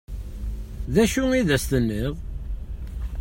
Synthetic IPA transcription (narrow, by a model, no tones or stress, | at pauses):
ðæʃuiðæst̪ənːiʁ